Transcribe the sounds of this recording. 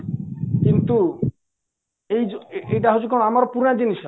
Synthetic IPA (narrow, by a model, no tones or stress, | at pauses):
kint̪u | ejeejʈaɦot͡ʃʰukaoɽ̃ɔamaɾɔpuɾad͡ʒiniʃ